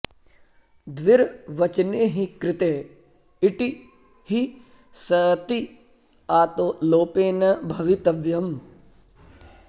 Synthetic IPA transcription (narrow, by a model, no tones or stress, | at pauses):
d̪ʋɪɾʋɐt͡ʃneɦikɾɪt̪eː | iʈi | hi | sɐt̪i | aːt̪oloːpeːnɐbʱɐʋit̪ɐʋjɐm